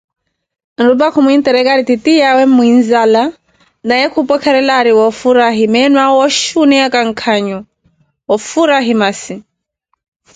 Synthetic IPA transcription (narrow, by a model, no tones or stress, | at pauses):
n̩ɾubakʰumuint̪ɛɾɛkaɾit̪itijawɛmmːuinzala | najɛkʰupɔkʰɛɾɛlaɾiwɔfuɾaɦimɛnwawɔʃunɛakaŋ̩kʰaɲɔ | ɔfuɾaɦimasi